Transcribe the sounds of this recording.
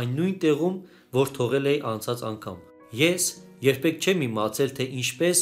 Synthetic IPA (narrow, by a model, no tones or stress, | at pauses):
jnːujnt̪ɛʁum | vɔɾt̪ʰɔʁɛlɛjʔɑnt͡sʰɑt͡sɑ̰ŋkʰɑ̰m | jɛs | jɛɾpʰɛk̚ʰt͡ʃʰɛmimɑt͡sʰɛlt̪ʰɛʔint͡ʃʰpɛs